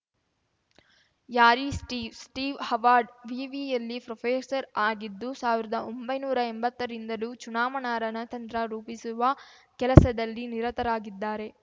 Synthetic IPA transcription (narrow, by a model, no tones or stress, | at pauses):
jaːɾisʈiːsʈiːʋhɐʋaːɾɖʋiːʋijɐlːipɾopʰeːsɐɾaːɡid̪ːusaːʋiɾɐd̪ɐʔo̞mbɐjnuːɾɐembɐt̪ːɐɾind̪ɐlut͡ʃunaːmɐnaːɾɐnɐt̪ɐnt̪ɾɐɾuːpisuʋɐkɛlɐsɐd̪ɐlːiniɾɐt̪ɐɾaːɡid̪ːaːɾe̞